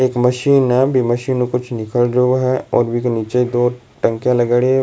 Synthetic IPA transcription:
eːkmɐʃiːnɦɛbʱimɐʃiːnõkʊt͡ʃʰnɪkəlɾoɦɛɔ̰ːɾbʱikniːt͡ʃeid̪oː | ʈə̃ŋkjãlɐɡaɽe

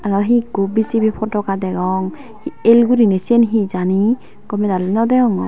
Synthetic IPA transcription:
anɔɦiɡobisibipʰɔtɔkadɛɡɔŋ | hiɛlɡuɾinɛsienɦizani | kɔmɛdalinɔdɛɡɔŋɔ

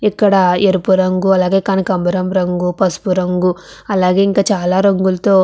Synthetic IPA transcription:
ikːɐɽɐeɾupuɾɐŋɡuɐlaːɡe̞ːkɐnikɐmbɐɾɐmɾɐŋɡupɐspuɾɐŋɡuɐlaːɡe̞ːiŋkaːt͡ʃaːlaːɾɐŋɡulɐt̪o̞ː

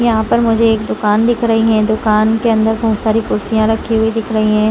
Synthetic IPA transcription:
jɐɦãpɐɾmʊd͡ʒʱeːkd̪ʊkaːnd̪ɪkʰɾɐɦiɦɛ̃d̪ʊkaːnkeɐ̃nd̪əɾbɐɦʊt̪saːɾipʊɾsijãɾɐkʰːiɦuid̪ɪkʰɾɐɦiɦɛ̃ː

